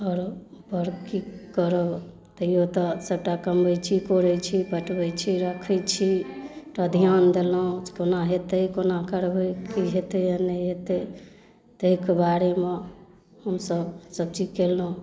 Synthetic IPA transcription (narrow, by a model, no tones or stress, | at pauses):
ɔːɾbəɾkikəɾə | t̪əijot̪ɔsəb̚ʈakəmbəjt͡ʃʰikoɾəjt͡ʃʰipəʈbəjt͡ʃʰiɾəkʰəjt͡ʃʰipɾəd̪ʱijand̪elũkonaɦet̪əjkonakəɾbəkiɦet̪ejənəjɦet̪e | t̪əikebaɾeme | həmsəbsəb̚t͡ʃikelɦũ